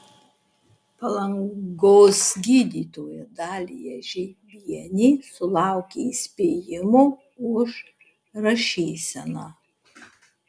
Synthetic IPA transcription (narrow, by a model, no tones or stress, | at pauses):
pɐlˠɐŋɡoːsɡʲiːd̪ʲiːt̪oːjɛd̪ɑːlʲḭjɛʒʲɛʋʲiɛnʲiːsʊlˠɑˑʊkʲeisʲpʲeːjɪmoː | ʊʃ | ɾɐʃʲeːsʲɛnoː